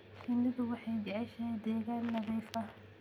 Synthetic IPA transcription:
kʰɪnːɪðʊwɑħɑjd͡ʒɛʕɛʃɐd̪ɛːɣaːnːɐðiːfɐ

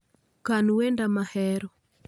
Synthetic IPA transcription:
kanwendamahɛɾɔ

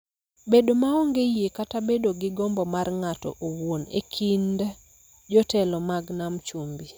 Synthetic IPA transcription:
bedomaɔŋɡejekatabedoɡɪɡɔmbɔmarŋatɔ̰ʔowwonḛkʰinda | d͡ʒɔtɛlɔmaɡnamt͡ʃumbi

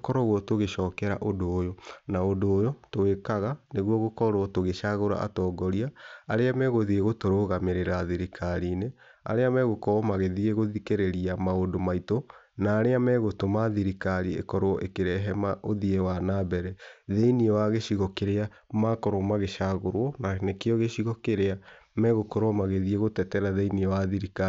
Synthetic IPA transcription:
kɔɾɔɣwɔtoɣeʃɔːkɛɾa̰ʔondoːjonaondoːjotoekaɣaneɣwɔɣokɔɾoɔtoɣeʃaɣoɾa̰a̰tɔːɡɔɾiaaɾeamɛɣoðieɣotoɾoɣameɾeɾaðiɾikʰaɾiːne | a̰ɾeamɛɣokɔmaɣeðieɣoðikeɾeɾiamaodomaito | naːɾeamɛɣotomaðiɾikaɾiḛkɔɾoʔḛkeɾɛɦɛmaʔoðiewanabɛɾɛðeiniɔwaɣeɕiɣɔkeɾea | makɔɾomaɣeʃaɣoɾwɔnanekeɔɣeɕiɣɔkeɾea | mɛɣokɔɾwɔmaɣeðieɣotɛtɛɾaðeiniɔwaðiɾika

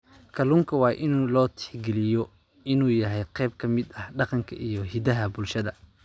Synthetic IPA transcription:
kʰɐluːŋkʰɐwɑːʔɪnuːlɔːt̪ʰɪ̥ħɡɛlɪjɔ | ɪnuːjɐɦɛjqɛjb̚kʰɐmɪd̪ɐhɖɑqɑŋkʰɐʔijɞɦɪd̪ɐɦɐbʊlʃɐðɐ

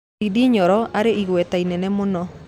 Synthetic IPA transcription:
idiɲɔɾɔaɾeiɣwɛtainɛnɛmʊnɔ

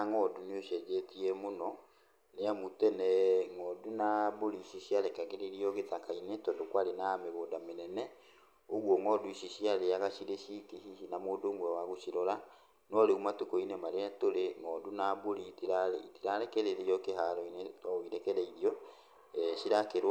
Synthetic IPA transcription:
ŋɔːduneoʃɛd͡ʒetiɛmonɔ | neamutɛnɛŋɔːdunaboɾiɕiɕiaɾɛkaɣeɾeɾiɔɣetakainetɔdokwaɾenameɣoːdamenɛnɛ | oɣwɔŋɔdoiɕiɕiaɾeaɣaɕiɾeʃikiɦihinamoːdoːmwɛwaɣoʃiɾɔɾa | nɔɾeumatukɔinemaɾeatoɾeŋɔdunaboɾitiɾaitiɾaɾɛkɛɾeɾeɔkeɦaɾɔineɔiɾɛkɛɾɛiɾiɔ | ɛɕiɾakeɾ

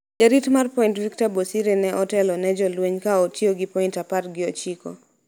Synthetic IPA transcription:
d͡ʒaɾitmarpɔintviktabosiɾenɛʔɔtɛlɔnɛd͡ʒɔlweɲkaotʰjoɡɪpɔintapatɡɪɔt͡ʃikɔ̰

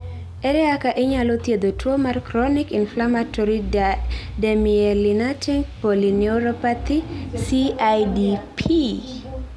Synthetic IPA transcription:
eɾɛakaʔɪɲalot̪jed̪otwomarkɾɔnikinflamatɔɾi | demielinatiŋpolinioɾopat̪isiajdipʰi

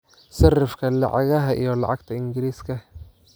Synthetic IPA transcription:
sɪrɪfkʰɐlɑ̰ʕɑɣɐɦɐʔḭjɔlɑ̰ʕɑɡ̚t̪ʰɐɪŋɡɪɾiːskʰɐ

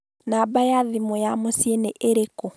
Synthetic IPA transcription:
nabajaðimojamosieneʔeɾeko

